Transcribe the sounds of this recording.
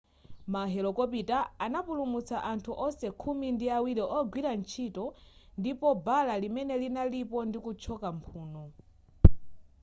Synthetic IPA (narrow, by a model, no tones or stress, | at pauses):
maɦɛlɔkɔpitaːnapulumut͡saʔantʰuʔɔsɛkʰumindiawiɾiʔɔɡwiɾant͡ʃʰitɔndipɔbalalimɛnɛlinalipɔndikut͡ʃʰɔkampʰuːnɔ